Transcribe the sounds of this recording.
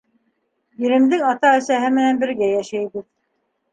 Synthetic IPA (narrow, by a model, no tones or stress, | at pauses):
jɘ̆ɾɘ̆md̪ɘŋɑt̪ɑæsæɦɘmɘ̆nænbɘ̆ɾɡæjæʃæjbɘð